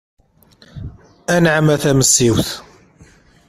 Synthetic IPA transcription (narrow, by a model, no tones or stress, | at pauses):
ænʕəmæθæməsːiwθ